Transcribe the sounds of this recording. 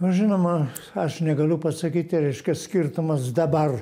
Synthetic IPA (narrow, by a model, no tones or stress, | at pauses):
nʊʒʲɪnoːmɐ | ɐʃnʲɛɡɐlʲʊpɐsɐkʲiːt̪ʲɪɾʲɛɪʃʲkʲɛsʲkʲɪrt̪ʊmɐsd̪ɐbɐr